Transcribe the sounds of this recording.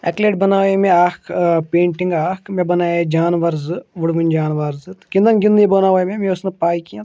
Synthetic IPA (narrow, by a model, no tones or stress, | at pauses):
ɛ̰ːkleːʈ̚bɐnaːemẽaːkʰpẽːɳʈɪ̃ŋɡaːkʰmẽbɐnaːjed͡ʒaːnʋɐɾzɨʋɐɽʋind͡ʒaːnʋaɾzɨt̪kɪ̃nd̪ɐnɡɪ̃nd̪ĩbɐnaːoemẽmẽʊsnepaːikijã